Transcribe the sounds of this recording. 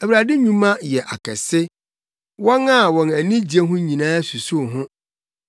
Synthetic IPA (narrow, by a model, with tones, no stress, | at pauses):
æ˨wɾa˨dɪ˦ɲũ˦mã˦jɛ˨ʔa̰˨kʰɛ̰˨sɪ˦ | wɔ̃˦na˦˨wɔ̃˨næ˨nĩ˦d͡ʑi˨e˦ɦʊ̃˦ɲĩ˨nãː˦su˨su˦˨ɦʊ̃˦